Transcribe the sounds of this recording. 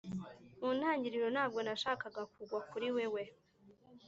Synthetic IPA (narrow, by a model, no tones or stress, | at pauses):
muːn̥haːɲɟiɾiɾo̞n̥aːbɡo̞naʃaːkaɡakuɡwakuɾiwe̞we̞